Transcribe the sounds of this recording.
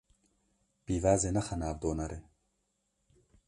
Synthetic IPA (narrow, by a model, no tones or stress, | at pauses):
piːvaːzenɐxɐnaːbd̪oːnɐɾe